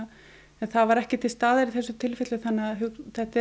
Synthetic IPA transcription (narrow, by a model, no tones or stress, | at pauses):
ɛnθavaɾɛhcɪt̪ʰɪlst̪aːðaɾɪθɛsːʏt̪ʰɪlfɪt̪lʏθanːaɦowθɛht̪ɪ